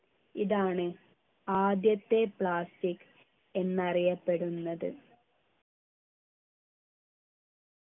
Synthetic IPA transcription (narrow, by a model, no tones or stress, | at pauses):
iðaːɳɨ | aːd̪jɐt̪ːe̞pɭaːstikː | e̞nːɐrijɐpːe̞ɽunːɐðɨ̰